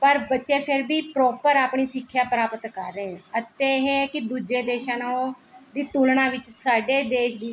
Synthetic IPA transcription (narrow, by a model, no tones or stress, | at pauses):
pəɾbətːʃeːpʰɪɾbiːpɾoːpəɾaːpɳiːsɪkʰːjaːpəɾaːpət̪kəɾːẽːət̪eːɦeːkɪd̪uːd͡ʒeːd̪eːʃãːnaõd̪iːt̪uːlnaːʋɪt͡ʃsaːɖeːd̪eːʃd̪iː